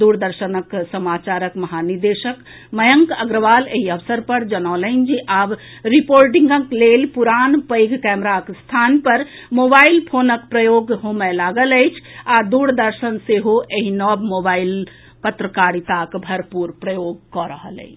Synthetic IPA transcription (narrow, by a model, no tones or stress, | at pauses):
d̪uɾd̪əɾʃənəksəmat͡ʃaɾəkməɦaniɾd̪eʃək | məjəŋkəɡɾəʋaleɦiəʋsəɾpəɾd͡ʒənɔləɪnd͡ʒiʔab | ɾipoɾʈiŋɡəklelpuɾanpəjɡʱkɛmɾakst̪ʰanpəɾ | mobailpʰonəkpɾəjoɡɦomɛlaɡələjt͡ʃʰad̪uɾd̪əɾsənseɦoʔeɦinɔbmobail | pət̪ɾəkaɾit̪akbʱəɾpuɾpɾəjoɡ̚kɔɾəɦə̰lə̰ɪt͡ʃʰ